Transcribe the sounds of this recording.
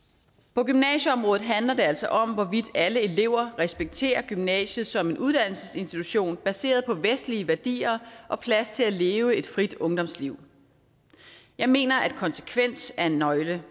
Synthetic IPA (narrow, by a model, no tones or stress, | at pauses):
pʰɒ̽ɡ̥ymnɛ̰ɕəɒ̽mʁɔːð̩ˠɦænlɐde̝æl̰sɒ̽ʔɒ̽mʋɒʋid̥æləe̝le̝ʊ̰ɐʁɛsb̥eɡ̥̚t͡sʰe̝̰ːɐɡ̥ymnɛ̰ːɕð̩ˠsɒ̽me̝nʔuð̞ˠd̥æn̰l̩səse̝nsd̥it͡sʰuɕo̝̰ːnb̥æse̝̰ːɐðˠpʰɒ̽ʋesd̥liəʋæɐd̥ḭːɐʔɒ̽pʰlæst͡sʰe̝læle̝ːʊəe̝d̥fʁid̥ɔ̽ŋd̥ɒ̽msliʊ̰ | jɑ̈ɪme̝̰ːnɐʔæd̥kʰɒ̽nsə̥kʰʋen̰sæɐe̝nːɒ̽ɪlə